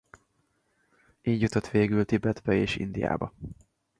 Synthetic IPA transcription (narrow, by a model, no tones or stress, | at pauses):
iːɟjut̪ot̪ʋeːɡylt̪ibɛd̪bɛeːʃḭnd̪ija̰ːbɒ